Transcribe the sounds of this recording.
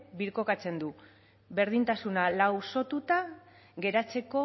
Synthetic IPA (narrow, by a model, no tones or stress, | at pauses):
biɾko̞kat͡se̞nd̪u | be̞ɾðint̪asunalawso̞t̪ut̪a | ɣe̞ɾat͡se̞ko̞